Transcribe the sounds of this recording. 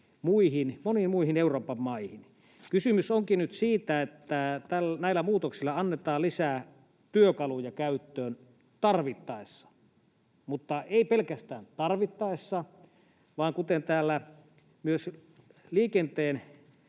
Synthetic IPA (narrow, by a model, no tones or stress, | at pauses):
muihinmonimmuihineuroːpɑmmɑihin | kysymysoŋkinyt̪siːt̪æet̪ːæt̪ælnæilːˑæmuːt̪oksilːɑɑnːet̪ɑːlisæː | t̪yøkɑlujɑkæyt̪ːøːn | t̪ɑrʋit̪ːɑˑesːɑ̥ | mut̪ːɑeipelkæst̪æːnt̪ɑrʋit̪ːɑesːɑ | ʋɑːŋkut̪ent̪æːlːæ | myøsliːkent̪eːn